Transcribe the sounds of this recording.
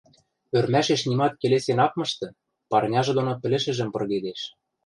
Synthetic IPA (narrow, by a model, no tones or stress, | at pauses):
ørmæʃeʃnimɑt̪̚kelesenɑkmɤ̆ʃt̪ɤ̆ | pɑrnʲɑʒɤ̆d̪onopɘ̆lɘ̆ʃɘ̆ʒɘ̆mpɤ̆rɣed̪eʃ